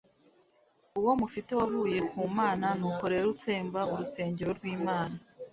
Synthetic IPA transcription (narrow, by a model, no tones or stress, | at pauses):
uwo̞mufite̞waɦuːje̞kuːmaːnanuko̞ɾe̞ɾoɾut͡se̞ːmbauɾuse̞ːɲɟeɾo̞ɾɡwiːmaːna